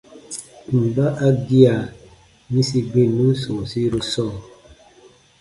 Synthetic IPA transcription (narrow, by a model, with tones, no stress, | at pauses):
m̩˨ba˦ʔa˦ɡi˦a˨ | mi˦si˦be˦nũ˦sõ˨si˦ɾo˦sɔː˦˨